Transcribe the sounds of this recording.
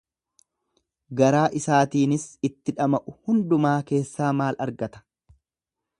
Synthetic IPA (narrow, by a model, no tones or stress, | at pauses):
ɡɐɾaːʔɪsaːt̪iːnɪsɪt̪ːɪᶑɐmɐʔʊhʊnd̪ʊmaːke̞ːsːaːmaːlɐɾɡɐt̪ɐ̥